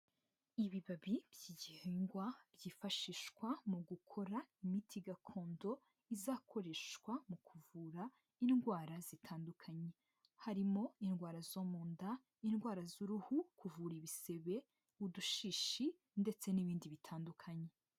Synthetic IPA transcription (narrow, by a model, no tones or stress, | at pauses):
iβiβaβibjiːɟiheŋɡwabjiːfaʃiːʃkwamuɡukʰo̞ɾaimitʰiɡakʰo̞ːndo̞ | izaːkʰo̞ɾe̞ʃkwamukʰuvuːɾa | inɡwaːɾazitʰaːndukʰaɲe̞ | haɾimo̞inɡwaːɾazomuːnda | inɡwaːɾazuɾuhukuvuːɾiβise̞βe̞ | uduʃiːʃi | nde̞t͡se̞niβiːndiβitʰaːndukʰaɲe̞